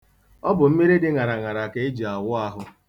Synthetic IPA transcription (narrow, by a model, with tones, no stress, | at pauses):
ɔ˦bʊ˨m̩˦mi˦ɾi˦dɪ˦ŋa˨ɾa˨ŋa˨ɾa˨ke˨e˦d͡ʒi˨a˨wʊ˦a˦ɦʊ˦